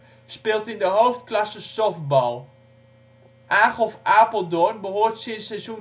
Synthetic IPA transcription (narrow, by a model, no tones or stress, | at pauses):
spɪːlˠtɪndəɦowftklɑsəsɔfbɔlˠ | ʔaːχɔfaːpəlˠdɔnbəɦoːrtsɪnsɛjzun